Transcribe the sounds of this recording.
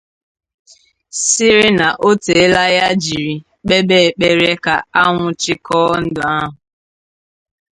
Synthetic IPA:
sɪ˦ɾɪ˦na˨ʔo˦te˨e˦la˦ja˦d͡ʒi˨ɾi˨ | k͡pe˦be˦e˨k͡pe˦ɾe˦ka˨a˦ŋʷʊ˨t͡ʃɪ˦kɔ˦n̩˦dʊ˨a˦ɦʊ˨

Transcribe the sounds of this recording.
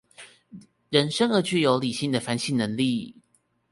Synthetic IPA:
ɻə˧˥nʂə˥ŋə˧˥˦t͡ɕy˥˩jo˧˥ʊli˨˩ɕi˥˩ŋd̪ə˩fa˧˥nɕi˥˩nə˧˦ŋli˥˩

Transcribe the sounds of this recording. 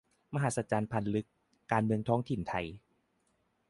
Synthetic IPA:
ma˧ɦaː˨˩sa˧t͡ɕaː˧npʰa˧nlɯ˦˥kː | aː˧nmɯ˧əŋt̪ʰɔː˦˥ŋt̪ʰi˨˩nt̪ʰa˧j

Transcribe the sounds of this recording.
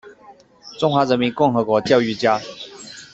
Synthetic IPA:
ʈ͡ʂʊ˥ŋxwa˨˥˦ɻə˧˦nmi˨˦nkʊ˥˩ŋxɤ˧˥kwɔ˧˥t͡ɕjɑ˥˧ʊy˥˨t͡ɕja˥˦

